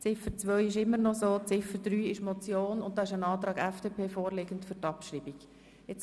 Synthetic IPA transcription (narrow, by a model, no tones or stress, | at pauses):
t͡sɪfət͡sʋœʏɪʃɪmːənɔsoːt͡sɪfəd̥̪ɾyːɪʃmɔt͡sjoːnʊnt̚d̥ɑːɪʃənɑːt̪ɾɑːɡɛfd̥eːpʰeːfoːɾleːɡəntfʏɾtɑpʃriːbiɡ̥ | ɛt͡s